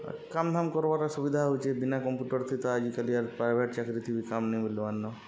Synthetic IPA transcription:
kamd̪ʱamkɔɾbaɾasubid̪ʱaɦot͡ʃʰebinakɔmpjuʈɔɾt̪ʰit̪ɔad͡ʒikaliaɾpɾajbʱeʈt͡ʃakɾit̪ʰibikamnibiluanːɔ

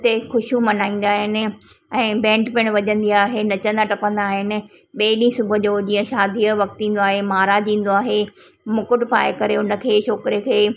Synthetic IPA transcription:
t̪exʊʃũmɐnaːĩːn̆d̪aːɦɪnɪ̆ | ɛ̃ːbɛ̃ːɳʈpɪ̃ɽ̃ʋɐʄə̃nd̪iaːɦenɐt͡ɕə̃nd̪aʈɐpə̃nd̪aːɦɪnɪ̆ | ɓeːɗĩsʊbʱʊ̆d͡ʑoːd͡ʑĩːə̃ʃaːd̪ʱiʋɐk̚t̪ĩːn̆d̪oaːɦemaːɾad͡ʑĩːn̆d̪oaːɦe | mʊkʊʈpa̰ːekɐɾeʊnə̆kʰeːt͡ɕʰoːkɪɾiekʰeː

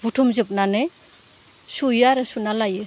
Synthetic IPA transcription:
butʰumzɯp̚nanɯ | sujaɾɯsunalajɯ

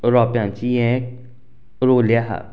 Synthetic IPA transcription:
ɾɔːpjãːnt͡ʃiɛ̃ | ɾoːlɪjaːɦa̰

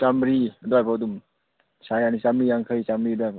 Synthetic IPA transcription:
samɾidɔajpʰawdum | sajanisamɾijaŋkʰɯjsamɾidɔajpʰa

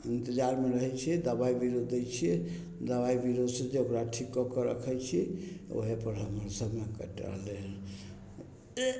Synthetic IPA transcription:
ənt̪əd͡ʒaɾmeɾəɦɛt͡ʃʰɛd̪əbaibiɾod̪ejt͡ʃʰiɛ | d̪əβaibiɾod̪sed͡ʒeokɾaʈʰikːɔkɔɾə̰kʰɛjt͡ʃʰio̰ɦepəɾɦəməɾsəbmekə̰ʈə̰ɦlel

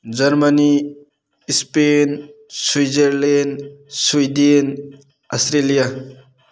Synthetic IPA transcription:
d͡ʒɐɾmani | ispenswijzeɾlenswujden | astɾelija

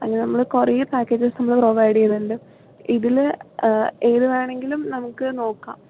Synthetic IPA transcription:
ɐŋːnenɐmːɐɭɨkorɐjupaːkːeːd͡ʑɨsnɐmːɐɭproːʋɐjɽijɐnːuɳɖɨ | iðil | eːðuʋaːɳe̞ŋɡilumnɐmukːɨno̞ːkːa̰ːm

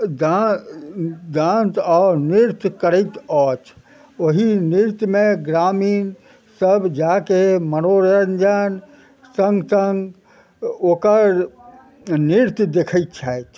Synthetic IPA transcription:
d̪a | d̪ãnt̪ɔːɾniɾt̪jkəɾət̪ɔt͡ʃʰ | oɦiniɾt̪jmẽɡɾamiːn | səbd͡ʒakemənoɾənd͡ʒən | sə̃ŋɡsəŋɡ | oːkəɾ | niɾt̪jd̪ekʰət̪̚t͡ʃʰat͡ʃ̪

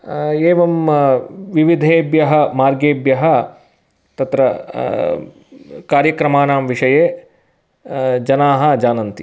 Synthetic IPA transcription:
eːʋɐm | ʋiʋid̪ʱeːbjɐɦɐmaːɾɡeːbjɐɦɐ | t̪ɐt̪ɾɐ | kaːɾjɐkɾɐmaːnaːmʋiʂɐjeː | d͡ʒɐnaːɦɐ̆d͡ʒaːnɐnt̪ḭ

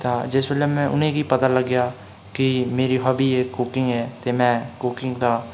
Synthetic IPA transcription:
t̪aːd͡ʒɪsbəlɛːmɛ̃ːʔʊ̰nẽːkiːpət̪aːləɡjaː | kɪmeːɾiːɦabiːeːkːʊkɪŋɡɛːt̪eːmɛ̃ːkʊkɪ̃ŋɡd̪aː

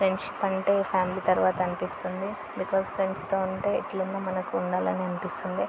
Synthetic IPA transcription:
pɾeɳɖʃi̥pɐɳʈe̞ːpʰaːmiliːt̪ɐɾʋaːt̪ɐɐnipist̪und̪i | bikoːspɾenst̪oːuɳʈe̞ːḭt̪ːlunːɐːmɐnɐkuːɳɖaːlɐniɐnipist̪und̪i

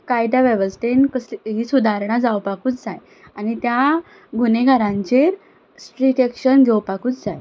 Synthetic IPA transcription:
kajʈ̪aʋɛʋəsʈ̪enkəsɦiːsud̪ʱaɾɳad͡zawpakuːt͡sd͡zaj | anit̪ja | ɡuneɡʱaɾãɲt͡ɕeɾ | sʈɾikekɕənɡʱewpakuːt͡sd͡zaj

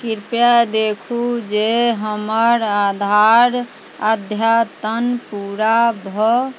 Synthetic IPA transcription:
kiɾpjad̪ekʰud͡ʒeɦəməɾad̪ʱaɾ | ad̪ʱjat̪ənpuɾabʱə

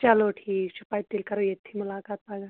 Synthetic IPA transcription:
t͡ʃaloʈʰisupajt̪ːilkaɾəjet̪ʰimulakat̪̚paɡa

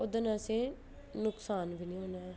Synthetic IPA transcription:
ʊd̪ənãːsẽː | nʊksaːnʋiːnĩːɦõːnaː

